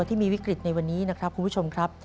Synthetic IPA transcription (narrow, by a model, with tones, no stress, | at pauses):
t̪ʰiː˥˩miː˧wi˦˥kɾi˨˩t̪̚na˧jwa˧nːiː˦˥na˦˥kʰɾa˦˥p̚kʰu˧npʰu˦˥t͡ɕʰo˧mkʰɾa˦˥p̚